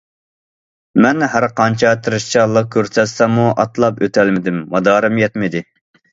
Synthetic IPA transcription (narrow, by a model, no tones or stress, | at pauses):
mɛnɦæɾqʰɑnt͡ʃʰɑt̪ʰɨɾɨʃt͡ʃʰɑlˠːəq̚kʲʰøɾsɛsɛmuʔɑt̪lˠɑpøt̪ʰɛlmɪd̪ɪmːɑd̪ɑːɾɪmjɛt̪mɪd̪ɪ